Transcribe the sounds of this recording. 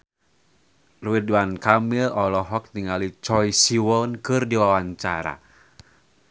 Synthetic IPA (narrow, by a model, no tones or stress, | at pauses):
ruidwankamɪlɔlɔɦɔk̚t̪iŋalit͡ʃɔjsiwɔnkɨrdiwawaɲt͡ʃa̰ɾa̰